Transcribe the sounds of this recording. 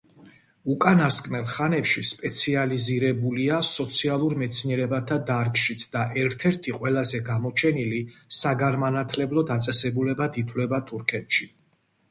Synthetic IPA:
ukʼanaskʼmɛlˠχanɛpʃispʼɛt̪sʰializiɾɛbuliasɔt̪sʰialˠuɾmɛt̪sʰniɛɾɛbat̪ʰad̪aɾkʼʃit̪ʰd̪̥aʔɛɾt̪ʰɛɾt̪ʰiqʼwɛlˠazɛɡamɔt͡ʃʰɛnilisaɡanmanat̪ʰlɛblˠɔd̪at̪sʼɛsɛbulɛbad̪it̪ʰwlɛbat̪ʰuɾkʰɛt̪ʃi

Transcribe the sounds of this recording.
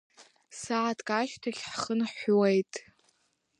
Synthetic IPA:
saʕatʰʼkʼaʃtʰaχʲħχənħʷwejtʼ

